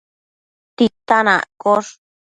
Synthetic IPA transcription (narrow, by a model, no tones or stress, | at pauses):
t̪it̪anã̰koʂ